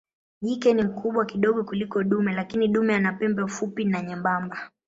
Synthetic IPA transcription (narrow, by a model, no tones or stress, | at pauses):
ʄikɛnim̩kuɓwakiɗɔɠɔkulikɔɗumɛlakiniɗumɛanapɛmbɛfupinaɲɛmbamba